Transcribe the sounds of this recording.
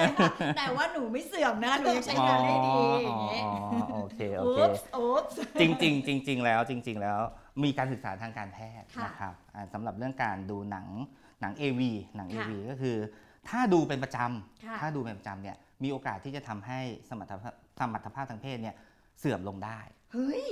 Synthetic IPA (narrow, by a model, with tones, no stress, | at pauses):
t̪ɛː˨˩waː˥˩nuː˩˦ma˥˩jsɯ˨˩əmna˦˥nuː˨˦a˥˩a˥˩ɔː˧˦ɔː˧ɔː˧ʔoː˧kʰeː˧ʔoː˧˦kʰː | t͡ɕi˧ŋt͡ɕi˧ŋt͡ɕi˧ŋt͡ɕi˧ŋlɛː˦˥wt͡ɕi˧ŋt͡ɕi˧ŋlɛː˦˥wmiː˧kaː˧nsɯ˨˩k̚sa̰ː˩˦t̪ʰaː˧ŋkaː˧npʰɛː˥˩t̪̚na˦˥kʰɾa˦˥p̚ʔaː˨˩sa˩˦mɾa˨˩p̚ɾɯ˥˩əŋkaː˧nduː˧na̰˩˦ŋ | na˩˦ŋʔeː˧wiː˧na˩˦ŋʔeː˧wiː˧kɔː˥˩kʰɯː˧ | t̪ʰaː˥˩duː˧pe˧npɾa˧t͡ɕa˧mkʰtʰaː˥˩duː˧pe˧npa˧t͡ɕa˧mni˥˩ɐ | miː˧ʔoː˧kaː˨˩t̪ʰːiː˥˩t͡ɕa˨˩t̪ʰa˧mɦa˥˩jsa˧ma˨˩t̪ʰːa˧˥ | sa˧ma˨˩t̪ʰːa˧pʰaː˥˩p̚t̪ʰaː˧ŋpʰeː˥˩t̪̚ni˥˩ə | sɯ˨˩əmlo˧ŋdaː˥˩j | hɤ˦˥j